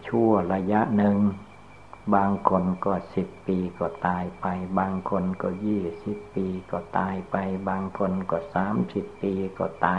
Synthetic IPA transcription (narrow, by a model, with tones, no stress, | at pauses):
t͡ɕʰu˧˩ɐla˧ja˧˥ʔnɯ˨˧ŋ | baː˧ŋkʰo˧nkɔː˧˩si˨˩pːiː˧kɔː˧˩t̪aː˧jpa˧jbaː˧ŋkʰo˧nkɔː˧˩jiː˧˩si˨˩pːiː˧kɔː˧˩t̪aː˧jpa˧jbaː˧ŋkʰo˧nkɔː˧˩saː˨˩˦msi˨˩pːiː˧kɔ̰ː˧˩t̪aː˧